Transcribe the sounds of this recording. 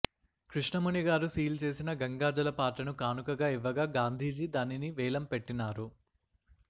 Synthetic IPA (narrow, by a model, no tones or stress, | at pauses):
kɾiʂɳɐmuɳiɡaːɾusiːlt͡ʃe̞ːsinɐɡɐŋɡaːd͡ʒɐlɐpaːʈːɐnukaːnukɐɡaːiʋːɐɡaːɡaːnd̪ʱiːd͡ʒid̪aːniniʋɛːlɐmpe̞ʈːinaːɾu